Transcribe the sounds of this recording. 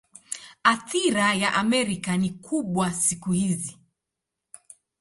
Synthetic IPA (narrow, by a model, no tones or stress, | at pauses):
aθiɾajaʔamɛɾikanikʰuɓwasikuhizi